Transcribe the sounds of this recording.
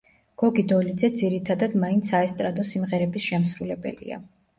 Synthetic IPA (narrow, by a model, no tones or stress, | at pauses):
ɡ̥ɔɡid̪ɔlid̪zɛd̪ziɾit̪ʰad̪ad̪maint̪sʰaɛst̪ʼɾad̪ɔsimʁɛɾɛbisʃɛmsɾulɛbɛ̰lḭa̰